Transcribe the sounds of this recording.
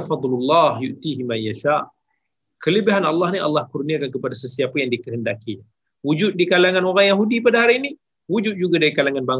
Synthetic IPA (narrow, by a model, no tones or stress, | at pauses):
fɑd̪ˤlulːɑhjuʔt̪iɦimajaʃaʔ | kələbɪɦanɑlːɑhniʔɑ̰lːɑhkurniakankəpadasəsiapajaŋdikəɦəndaki | wud͡ʒʊt̪̚dikalaŋãnoɾaŋjaɦudipadaɦaɾiːni | wud͡ʒʊt̪̚d͡ʒuɡadaɾikalaŋanbaŋ